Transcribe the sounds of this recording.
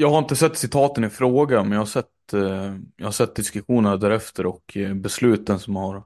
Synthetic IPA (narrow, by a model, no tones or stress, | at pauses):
jɑːɡhaɾɪnt̪əsɛt̪ːsɪt̪ʰɑːt̪ənɪfɾoːɡamɛnjɑahaʂsɛt̪ː | jɑ̰hasɛt̪̚ːd̪ɪskɵɧuːnəɾd̪æːɾɛft̪əɾɔkbɛslʉ̟ːt̪d̪ənsɔmjhaɾ